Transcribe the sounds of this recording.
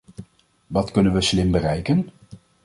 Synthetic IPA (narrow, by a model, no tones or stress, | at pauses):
ʋɑtkɵnənʋəslɪmbərɛjkən